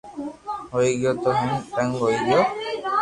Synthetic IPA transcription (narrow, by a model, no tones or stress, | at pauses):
ɦoiɡɪjot̪oɦɪnʈəŋɡɦoiɡijo